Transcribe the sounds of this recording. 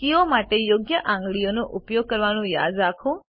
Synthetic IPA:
kiõmaʈejoɡjəʔãŋɡɭijonoʔupjoɡ̚kəɾʋañũja̰d̪ɾakʰo

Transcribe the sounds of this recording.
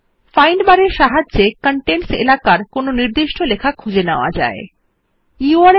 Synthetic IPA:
fajɳɖbaɾeɾʃaɦad͡ʑd͡ʑekəɳʈensḛlakaɾkononiɾd̪iʃʈʰolekʰakʰud͡ʑenaoa̰d͡ʑa̰e | juaɾ

